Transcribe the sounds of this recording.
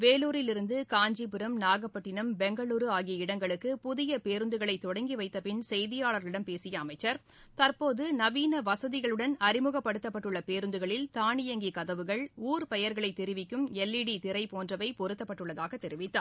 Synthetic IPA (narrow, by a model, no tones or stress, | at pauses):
ʋeːluːɾɪlɪɾɯnd̪ɯkaːɲd͡ʒipɯɾɐmnaːɣɐpːɐʈːɪnɐmbɛŋɡɐɭuːɾɯaːɣɪjɐɪɽɐŋɡɐɭɯkːɯpʊðɪjɐpeːɾɯnd̪ɯɣɐɭɐɪt̪ːɔɽɐŋɡiʋɐɪt̪ːɐpɪnsɛjðɪjaːɭɐɾɭɪɽɐmpeːsɪjɐːmɐɪt͡ʃːɐɾ | t̪ɐɾpoːðɯnɐʋiːnɐʋɐsɐðɪɣɐɭɯɽɐnɐɾɪmɯɣɐpːɐɽɯt̪ːɐpːɐʈːɯɭːɐpeːɾɯnd̪ɯɣɐɭɪlt̪aːɳɪjɐŋɡikɐðɐʋɯɣɐɭuːɾpɛjɐɾɣɐɭɐɪt̪ːɛɾɪʋɪkːɯmɛlːɪɽit̪ɪɾɐɪpoːndrɐʋɐɪpɔɾɯt̪ːɐpːɐʈːɯɭːɐðaːɣɐt̪ːɛɾɪʋɪt̪ːaː